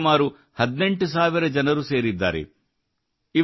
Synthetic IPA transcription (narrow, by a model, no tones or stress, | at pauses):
maːɾu | hɐd̪ne̞ɳʈus̬aːʋiɾɐd͡ʒɐnɐɾuse̞ːɾid̪ːa̰ːɾḛ | i